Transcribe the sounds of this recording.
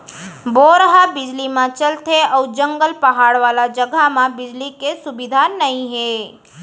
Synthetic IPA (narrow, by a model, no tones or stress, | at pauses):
boɾəɦabɪd͡ʒlimãt͡ʃəlt̪eəwd͡ʒə̃ŋɡəlpəɦaːɽʋaːlad͡ʒəɡʱamãbɪd͡ʒlikesʊbid̪ʱanəɦĩɦe